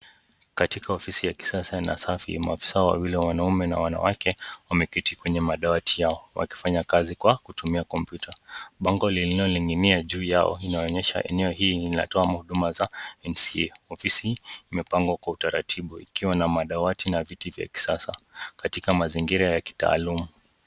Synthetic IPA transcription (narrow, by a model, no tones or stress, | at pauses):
katikaɔfisijaki̥sasana̰safḭmaafi̥saɔwa̰wilɛwanaumɛna̰wana̰wakɛwamɛpitikwɛɲɛmaɗawatʰijaɔwa̰ki̥faɲakazikwakutumiakɔmpjutʰaɓaŋɡɔlililɔliŋɡiniaʄuːjaɔ̰inaɔɲɛʃa̰ʔɛ̰nɛɔɦiːina̰tɔamahuɗumazaɛnsiɛɔfisiːmɛpaŋɡwakwautaɾa̰tʰiɓuikiwanamaɗawatinavitivja̰ki̥sasakatikamaziŋɡiɾajaki̥ta̰ːlumu